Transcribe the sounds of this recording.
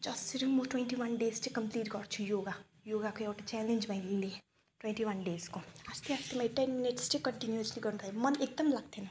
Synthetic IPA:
d͡zʌsiɾimuʈwenʈiwanɖest͡sĩkʌmpliʈɡʌrt͡sʰujoɡa | joɡakoewʈat͡ʃɛlend͡ʒmãj̃le | ʈwẽɳʈiwanɖeskoast̪ʰiast̪ʰimaj̃ʈenminiʈst͡ʃĩkʌɳʈinjuosliɡʌrnud̪ajemʌnek̚d̪ʌmlaɡt̪ʰenʌ

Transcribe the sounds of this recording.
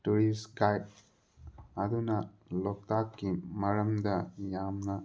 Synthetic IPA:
tuɾiskajp̚ | ɐd̪unɐ | lɔk̚t̪akːimɐɾɐmd̪ɐjamna

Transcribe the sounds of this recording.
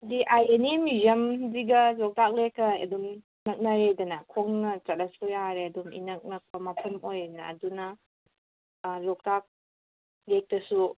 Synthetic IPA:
diʔajenemijɐmdiɡɐlɔk̚tak̚lekɐjɐ̰dum | nɐk̚nɐɾejdɐnɐkʰoŋnɐt͡ʃɐt̚lɐsujaɾeɐdumḭnɐk̚nɐk̚pɐmɐpʰɐmojnɐ̰ːdunɐ | lɔk̚tak̚ | lek̚tɐsu

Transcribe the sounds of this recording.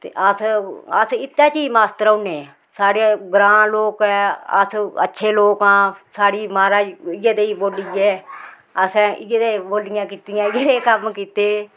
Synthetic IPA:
t̪ḛːʔəsəsɪt̪ːãːt͡ʃiːmaːst̪əɾəʊneː | saːɽeːɡɾãːloːkɛːə̰sə̰tːʃʰeːloːkãːsaːɽiːmaːɾaːɪɡeːd̪eːiboːliɛː | əsãːʔɪɡed̪eːboːlɪjãːkiːt̪ɪjãːɪɡed̪eːkəmkiːt̪eː

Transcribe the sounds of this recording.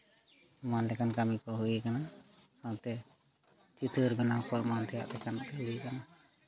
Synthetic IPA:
manlɛkankamikɔɦuikanakat̪ɛ | t͡ʃit̪ʰəɾɡɔnakɔʔmant̪ʰɛja̰ʔt̪ɛkanuikana

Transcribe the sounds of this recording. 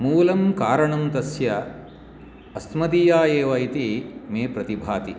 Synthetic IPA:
muːlɐmkaːɾɐɳɐmt̪ɐsjɐ | ɐsmɐd̪ijaːjeːʋɐit̪imeːpɾɐt̪ibʱaːt̪i

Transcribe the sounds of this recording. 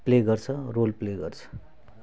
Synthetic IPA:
pleɡʌrt͡sʰʌrolpleɡʌrt͡sʰʌ̥

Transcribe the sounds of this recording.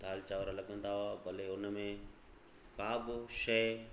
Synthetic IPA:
d̪ʱaːlt͡ɕaːʋɾalɐɠə̃nd̪aɦʊabɐleʊnə̆mẽ | kaːbɪʃɐj

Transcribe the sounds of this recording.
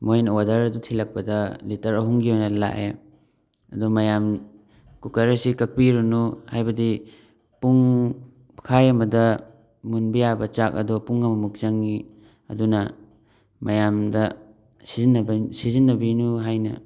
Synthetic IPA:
mojnɐwadɐɾɐdutʰilɐk̚pɐdɐlitɐɾɐɦuŋɡiojnɐla̰ʔe | ɐ̰dumɐjam | kukɐɾɐsikɐk̚piɾunuhajbɐdi | puŋ | kʰajɐmɐdɐ | munbijabɐt͡ʃak̚ɐ̰dɔpuŋɐmɐmuk̚zɐŋi | ɐ̰dunɐ | mɐjamdɐ | sizinːɐbsizinːɐbinuɦajnɐ

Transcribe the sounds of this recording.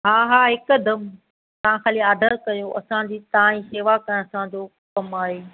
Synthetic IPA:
ɦaːɦaːɦɪkʊd̪ɐm | t̪ɐʋ̤ãxaːliaːd̪ʱəɾkɐjoʔɐ̰sãd͡ʑiːt̪ɐʋãĩseːʋakɐɽ̃ɐsãd͡ʑoː | kɐmaːɦeː

